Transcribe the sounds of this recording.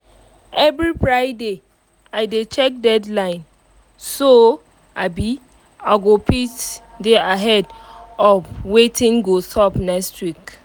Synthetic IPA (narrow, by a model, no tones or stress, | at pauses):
ɛvɹipɹaɪde | aɪdet͡ʃɛk̚dɛdlãɪ̃n | so | abi | aɡopitdeaɦɛdɔvwetĩŋɡosɔpnɛkstwik